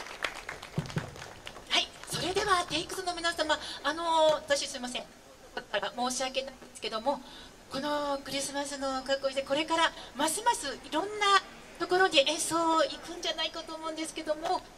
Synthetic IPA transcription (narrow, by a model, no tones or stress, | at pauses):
haiso̞ɾe̞d̪e̞βat̪e̞ikɯ̥sɨno̞mʲinasãmaːno̞βat̪aɕisɨimas̬ẽ̞ŋ | aaɾamo̞ːɕiake̞naĩnd̪esɨ̥ke̞d̪o̞mo̞ | ko̞no̞kɯ̟ɾʲisɨmasɨno̞kakːoid̪ekoɾe̞kaɾamasimasɨiɾõ̞nːa | t̪o̞ko̞ɾo̞ɲʲiʔẽsoːikɯ̟̃ɲ̟d͡ʑanaikat̪o̞ːmo̞ɯ̃nd̪e̞sɨ̥ke̞d̪o̞mo